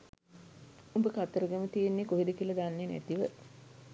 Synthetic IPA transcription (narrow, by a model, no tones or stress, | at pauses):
umbəkat̪ːəɾəɡemət̪ienːekoɦid̪ikilɐd̪anːenæ̰t̪iʋə